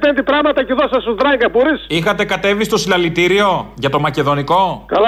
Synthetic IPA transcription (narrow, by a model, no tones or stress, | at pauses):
pend̪ipɾɐɣmɐt̪ɐceðosɐsod̪ɾɐŋɡɐboɾisixɐt̪e̞kɐt̪e̞vist̪o̞silɐlit̪iɾio̞ʝɐt̪o̞mɐce̞ðo̞niko̞kɐl